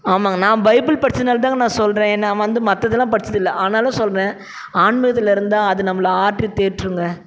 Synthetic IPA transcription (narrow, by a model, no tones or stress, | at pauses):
aːmaːnãːbɐɪpːɪlpɐɽɪt͡ʃːɐnaːlt̪aːŋɡɐnãːsɔlrẽːɛnːɐʋɐnd̪ɯmɐt̪ːɐðːɯlãːpɐɽɪt͡ʃːɐðɪlːɐʔaːnaːlɐ̃sɔlɾẽː | aːɳmɪɣɐt̪ːɪlɪɾɯnd̪ãːɐðɯnɐmːɐlɐaːʈɾit̪eːɾʈːɾɯŋɡɐ